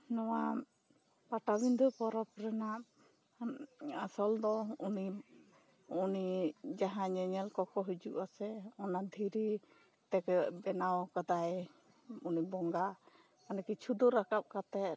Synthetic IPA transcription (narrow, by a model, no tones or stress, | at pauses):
nɔwa | paʈabind̪upɔɾɔkɾɛnaʔ | asɔld̪ɔuni | unid͡ʒaɦãɲɛɲɛlkɔkʰɔɦud͡ʒuʔasɛɔnad̪ʱiɾi | t̪ɛkbɛnawkad̪aj | unibɔŋɡa | manakit͡ʃʰud̪ɔɾakap̚kat̪ɛt̪̚